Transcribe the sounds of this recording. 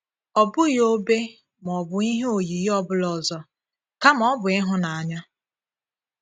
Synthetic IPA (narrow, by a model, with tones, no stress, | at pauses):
ɔ˨bʊ˦jo˦be˦ | m˨ɔ˨bʊ˨i˦ɦe˦o˨ji˨jɔ˦bʊ˦lɔ˨zɔ˦ | ka˦mɔ˦bʊ˨ɪ˦ɦʊ˦na˨a˨ɲa˦